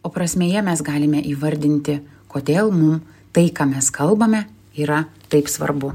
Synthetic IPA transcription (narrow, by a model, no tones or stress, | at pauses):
oːpɾɐsʲmʲeːjɛmʲɛsɡɑːlʲɪmʲɛʔiːʋɐɾʲd̪ʲɪnʲt̪ʲɪ | koːd̪ʲeːlˠmʊm | t̪ɐɪkɑːmʲɛskɐlˠbɐmʲɛ | iːɾɐt̪ɐɪpsʋɐ̰rbʊ